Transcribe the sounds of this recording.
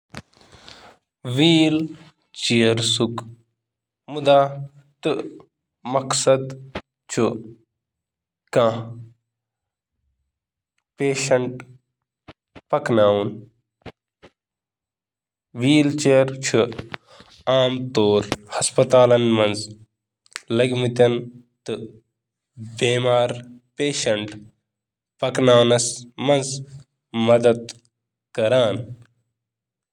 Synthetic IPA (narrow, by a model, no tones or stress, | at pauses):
ʋiːl | t͡ʃijɐɾsuk | mud̪aː | t̪ɨ | mɐksɐd̪ | t͡ʃʰu | kã | peːʃɐɳʈ | pɐknaːun | ʋiːlt͡ʃeːɾt͡ʃʰu | aːmt̪oːɾhɐspɐt̪aːlɐnmɐ̃nz | lɐɡmɨt̪jɐn | t̪ɨ | beːmaːɾpeːʃɐɳʈ | pɐknaːwnɐsmɐ̃nz | mɐd̪ɐd̪ | kɐɾaːn